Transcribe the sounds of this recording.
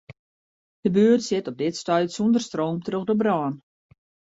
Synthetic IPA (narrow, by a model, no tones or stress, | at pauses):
d̥əbøːərtsɪtɔp̚dɪtstœɥtsundərstroːmtrøxdobrɔːn